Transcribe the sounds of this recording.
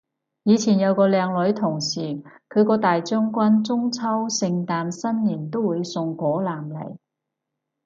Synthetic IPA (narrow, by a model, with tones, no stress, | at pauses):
jiː˨˧t͡sʰiː˨˩njɐ˨˧wkɔː˧lɛː˨˧ŋlɵ˨˥ɥt̪ʰʊ˨˩ŋsiː˨˩kʰɵ˨˧ɥkɔː˧t̪aː˨jt͡ʃœː˥ŋkʷɐ˥nt͡sʊ˥ŋt͡sʰɐ˥wsɪ˧ŋt̪aː˨msɐ˥njɪ˨˩ŋt̪o˥wuː˨˧jsʊ˧ŋkʷɔː˨˥laː˨˩mlɐ̰˨˩j